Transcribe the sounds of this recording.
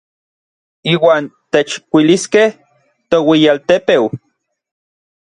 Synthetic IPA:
iːwaːnt̪et͡ʃkʷiliskeh | t̪owijalt̪epew

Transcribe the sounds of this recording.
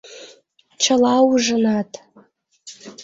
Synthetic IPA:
ʈ͡ʂʰalawuʐɨnatʼʰ

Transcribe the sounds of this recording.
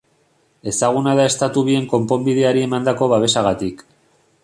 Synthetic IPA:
e̞saɣ̞unaðae̞st̪at̪uβ̞ie̞ŋko̞mpo̞mbið̞e̞aɾie̞mand̪ako̞βaβe̞saɣat̪ik

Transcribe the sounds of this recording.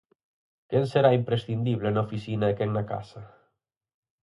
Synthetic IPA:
kenseɾaimpɾesθind̪iβ̞lenaofisinaekeŋnaka̰sa

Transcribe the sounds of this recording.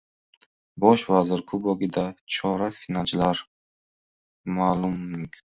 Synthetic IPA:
bɒʃvazɪɾkʰʊbɔɡʲid̪at͡ʃʰɒɾafinad͡ʒlaɾ | malˠumːuŋkʰn

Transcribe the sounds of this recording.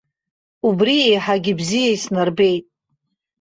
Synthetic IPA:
ubriejħaɡʲɪbzijaisnarbe̞jtʼ

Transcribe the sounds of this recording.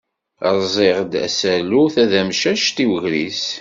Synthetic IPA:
ɾˤzˤeʁd̪æ̰sæluθæðæmʃæʃt̪iwəʝɾis

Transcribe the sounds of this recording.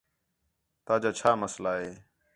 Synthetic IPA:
t̪aːd͡ʒaːt͡ʃʰaːməslaːɦeː

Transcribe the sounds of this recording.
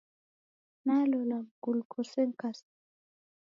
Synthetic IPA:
nalolaɡulkʰoseŋkas

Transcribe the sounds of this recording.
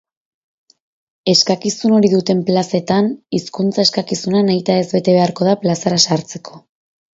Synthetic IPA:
e̞skakisuno̞ɾiðut̪e̞mplase̞t̪aniskunt͡sae̞skakisunanajt̪aezβe̞t̪e̞βe̞aɾko̞ðaplasaɾasaɾt͡se̞kʰo̞

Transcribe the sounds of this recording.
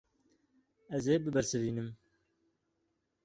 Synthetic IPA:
ɐzeːbɨbɐɾsɨviːnɨm

